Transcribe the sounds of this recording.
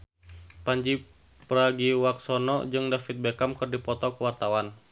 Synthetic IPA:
paɲd͡ʒi | pəɾaɡiwak̚sɔnɔ̰d͡ʒɨŋdafit̪̚bɛkamkɨrdipɔt̪ɔkəwart̪awan

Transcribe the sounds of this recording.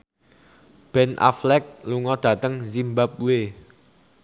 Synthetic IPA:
b̥ɛnʔa̰flɛk̚luŋɔd̪̥ä̤t̪əŋzimbap̚uwe

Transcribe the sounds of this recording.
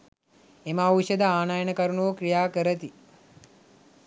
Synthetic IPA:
emauʋuʃəd̪əaːnajənəkɐɾunuʋəkɾijaːkəɾət̪i

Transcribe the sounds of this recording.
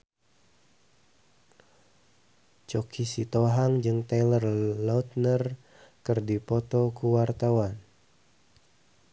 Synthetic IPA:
t͡ʃɔkʰisit̪oɦaŋd͡ʒɨŋt̪alərlaut̪̚nər | kɨrdipɔt̪ɔkuwart̪awan

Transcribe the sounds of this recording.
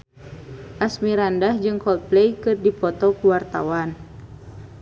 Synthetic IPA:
ʔasmiɾandahd͡ʒɨŋkɔlt̪̚plejkɨrdipɔt̪ɔkuwart̪a̰wan

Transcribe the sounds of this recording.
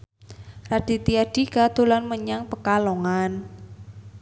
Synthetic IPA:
rad̥i̤t̪iaɖ̥i̤ɡad̪ulanməɲaŋpəkaloŋan

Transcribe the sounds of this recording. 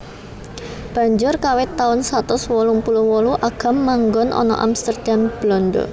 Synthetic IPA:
b̥a̤ɲd͡ʒʊrkawɪt̪ːaʊnsat̪ʊswɔlumpuluhwɔluʔaɡ̥a̤mːaŋɡɔnʔɔ̰nɔ̰ʔa̰mst̪ərd̪̥amb̥lɔndo̰

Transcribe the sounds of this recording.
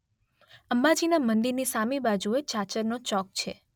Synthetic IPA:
əmbad͡ʒinamənd̪iɾnisamibad͡ʒuet͡ʃat͡ʃəɾnot͡ʃɔk̚t͡ʃʰe

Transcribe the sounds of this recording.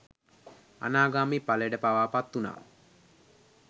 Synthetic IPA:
a̰naːɡaːmipaləɖəpaʋaːpat̪ːuna̰ː

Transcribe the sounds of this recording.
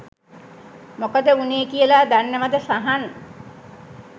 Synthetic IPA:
mokəd̪euneekiəlaːd̪anːeʋad̪əsaɦan

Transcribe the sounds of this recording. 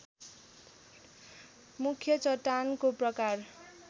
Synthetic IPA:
mukʰjʌt͡sʌʈːankoprʌkar

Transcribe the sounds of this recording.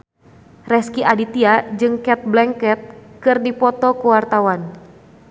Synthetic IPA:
rɛskiʔadit̪iad͡ʒɨŋkɛt̪̚blɛŋkɛt̪̚kɨrdipɔt̪ɔkəwart̪awan

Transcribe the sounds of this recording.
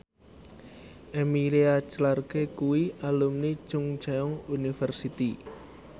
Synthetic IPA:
ʔemiɾeat͡ʃəlarkekuwialumni̥t͡ʃʊŋt͡ʃaɔŋunifərsit̪i

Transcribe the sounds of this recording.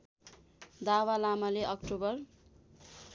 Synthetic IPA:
d̪awalamaleʔʌkʈobʌr

